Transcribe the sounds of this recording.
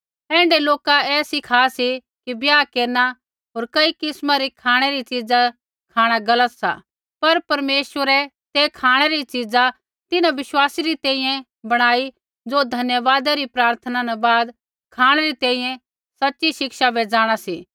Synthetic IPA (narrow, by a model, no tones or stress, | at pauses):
ɛ̃ːɳɖeloːkaɛːsɪkʰaːsi | kibjaːkeːɾna | ɦoːɾkɐikɪsmaɾikʰaːɽ̃eɾit͡ʃid͡za | kʰaːɽ̃aɡɐlət̪sa̰ | pɐɾpɐɾmeːsʋəɾɛ | t̪eːkʰaːɽ̃eɾit͡ʃid͡za | t̪ɪnãʋɪswaːsiɾit̪ɛ̃ːĩjɛ̃ | bɐɽ̃aːi | d͡zoːd̪ʱɐnjəʋaːd̪aɾipɾaːɾt̪ʰənanabaːd̪ | kʰaːɽ̃eɾit̪ɛ̃ːĩːjɛ̃ | sɐtːʃiʃɪkʃabed͡zaːɽ̃asiː